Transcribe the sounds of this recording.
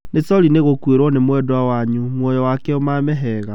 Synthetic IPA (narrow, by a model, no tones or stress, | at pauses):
netɔɾineɣokweɾɔnemwɛdwawaɲumwɔjɔwakɛomamɛɦɛːɣa